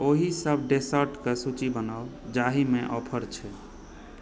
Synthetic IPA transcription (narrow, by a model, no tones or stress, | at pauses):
oɦisəbʱɖesəɾʈkesut͡ʃibənaʊ | d͡ʒaɦimeʔɔpʰəɾt͡ʃʰɛ